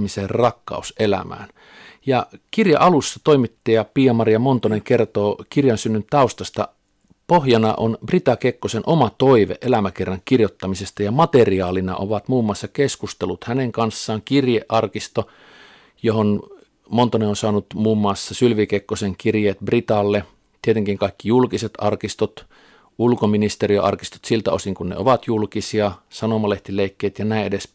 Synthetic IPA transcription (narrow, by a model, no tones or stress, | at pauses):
miserrɑkːɑ̰uselæ̰mæ̰ːn | jɑkirjḛʔɑlusːɑt̪oimit̪ːiːjɑpiːɑmɑrijɑmont̪oneŋkert̪oːkirjɑnsynːynt̪ɑust̪ɑst̪ɑ̰ | pohjɑnɑ̰ʔonbrit̪ɑkekːosenʔomɑt̪oiʋḛʔʔelæmækerːɑŋkirjot̪ːɑmisest̪ɑjɑmɑt̪eriɑːlinɑ̰ʔoʋɑt̪muːmːuɑsːɑkeskust̪elːut̪hæneŋkɑnsːɑːŋkirjeʔʔɑrkist̪o | johon | mont̪oneonsɑːnut̪muːmːɑːˑsːɑsylʋikekːoseŋkirjeːt̪brit̪ɑlːe | t̪iet̪eŋkiŋkɑˑikːijulkiset̪ɑrkist̪ot̪ | ulkominist̪erio̰ʔɑrkist̪o̥t̪silt̪æ̰o̰siŋkunnḛo̰ʋɑt̪julkisiɑsɑnomɑleht̪ileˑikːeit̪jɑnæˑĩʔedes